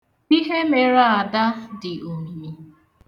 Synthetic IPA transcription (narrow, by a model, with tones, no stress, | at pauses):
i˦ɦe˦me˨ɾa˦a˨da˦dɪ˨ʔo˨ŋ˨e˨